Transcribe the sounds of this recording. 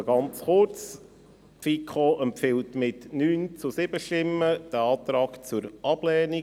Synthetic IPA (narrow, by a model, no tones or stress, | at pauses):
ɡɑnt͡sχʊɾt͡s | fikχoʔɛmpfɪltmɪtnyːnt͡susɪb̥əʃtɪmːəd̥əɑːt̪ɾɑːkt͡sʊɾʔɑb̥lɛːni